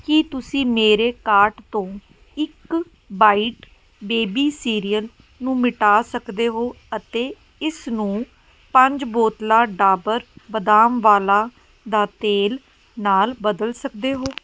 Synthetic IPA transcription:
kit̪ʊsĩːmeːɾeːkaːɾʈt̪õː | ɪk | baːiːʈ | beːbiːsiːɾiːəl | nũːmɪʈaːsəkd̪eːɦoː | ət̪eː | ɪsnũː | pə̃ɲd͡ʒboːt̪laːɖaːbəɾbəd̪aːmʋaːlaː | d̪aːt̪eːl | naːlbəd̪əlsəkd̪eːɦoː

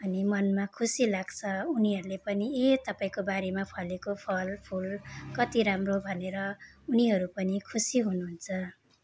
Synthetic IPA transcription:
ʌnimʌnmakʰusilaɡt͡sʰʌuniɦʌɾulepʌniet̪ʌpaĩkobaɾemapʰʌlekopʰʌlpʰulkʌt̪iɾamrobʱʌneɾʌuniɦʌɾupʌnikʰusiɦunuɦunt͡sʰʌ

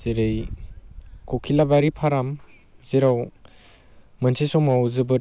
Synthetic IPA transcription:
zeɾej | kʰɔkʰilabaɾipʰaɾam | ziɾaw | mɯnsʰisɔmawzɯbɯ

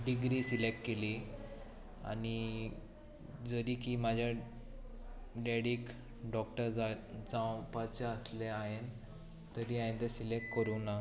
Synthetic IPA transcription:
ɖiɡɾiːsilek̚ʈ̚keli | a̰ni | d͡zəɾikiːmad͡ʑʱja | ɖeɽik | ɖɔk̚ʈəɾd͡zad͡zãwpat͡ɕaəsleaɦen | t̪əɾiãẽnt̪esilek̚ʈ̚kəɾuna

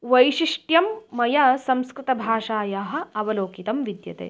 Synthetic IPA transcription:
ʋɐjʃiʂʈjɐmːɐjɐsɐmskɾɪt̪ɐbʱaːʂaːjaːɦɐ̆ɐʋɐloːkit̪ɐmʋid̪jɐ̰t̪ḛː

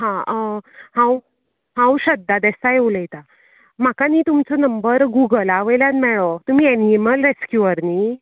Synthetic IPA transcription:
ɦã | hãw | hãwɕəd̪ːad̪ɛsajeuləjt̪a | m̤akaniːt̪umt͡sɔnəmbəɾɡuɡəlaʋəjljãt̪mɛɭot̪um̤iːɛniməlɾeskjuəɾniː

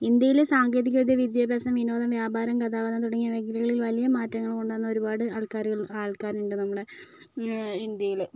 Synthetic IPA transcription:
ind̪jɐjilsaːŋɡeːðikʲːɐɐd̪jɐʋid̪jaːbʱaːsɐmʋino̞ːd̪ɐmʋjaːbaːɾɐmkɐt̪aːʋɐnːɐt̪uɽɐŋːijɐʋeɡɐɾiɣɐɭilʋɐlijɐmaːtːɐŋːɐɭkoɳɖaːnːɐoɾubaːɽɨaːɭkaːɾuɣɐɭaːɭkaːɾnuɳɖɨnɐmːuɽe | ind̪jɐjil

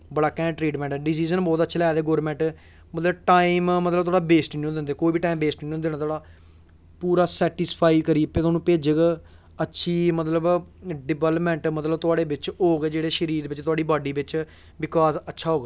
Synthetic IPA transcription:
bəɽaːkɛ̃ːʈɾiːʈmɛ̃ːɳʈɛːɖɪsiːzənbɔːt̪ətːʃʰeːlɛd̪eːɡoːɾmɛ̃ːɳʈ | mət̪ləbʈaːimmət̪ləbt̪ʊaɽɖaːbeːsʈːõːd̪ɪnd̪eːkoːiːbiːʈaːimbeːsʈːõːd̪eñaːt̪ʰaːɽaː | puːɾaːsɛːʈɪspʰaːiːkəɾiːpẽt̪ʰaːnũːpeːd͡ʒəɡ | ətːʃʰiːmət̪ləbɖɪbɛːləpmɛ̃ːɳʈmət̪ləbt̪ʊaːɽeːbɪt͡ʃɦoːɡeːd͡ʒeːɽeːʃəɾiːɾbɪt͡ʃt̪ʊaːɖiːbaːɖiːbɪt͡ʃ | bɪkaːzətːʃʰaːɦoːɡː

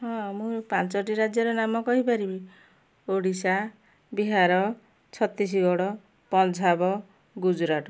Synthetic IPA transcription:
ɦɔ̃mupant͡ʃɔʈ̬iɾad͡ʒjɔɾɔnamɔkɔɦipaɾibi | oɽisa | biɦaɾɔ | t͡ʃʰɔt̪is̬iɡɔɽɔ | pɔnd͡ʒʰʱabɔ | ɡud͡ʒuɾaʈɔ

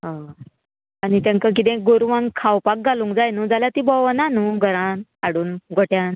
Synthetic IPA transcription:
ɦã | anit̪jãŋkak̬it̪̬ɛ̃ɡoɾʋãŋkʰawpak̚ɡalũŋkd͡zajnũd͡zaljat̪ibɔʋənanũɡʱəɾãnaɽuːnɡʱoʈjan

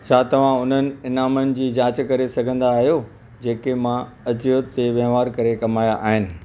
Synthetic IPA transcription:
t͡ɕʰaːt̪ɐʋ̤ãʊn̤ənɪ̆ɪnaːmənɪ̆d͡ʑiːd͡ʑaːt͡ɕkɐɾesɐɡʱə̃nd̪aːɦijo | d͡ʑeːkemã | ɐd͡ʑɪjot̪eʋjɐːʋaːɾkɐɾekɐmaːjaʔaːɦɪnɪ̆

